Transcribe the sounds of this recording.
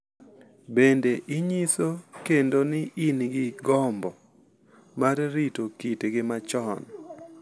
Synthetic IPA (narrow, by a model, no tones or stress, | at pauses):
bendeʔɪɲisokendonɪʔinɡɪɡɔmbɔ | maɾɾitokitɡɪmat͡ʃɔn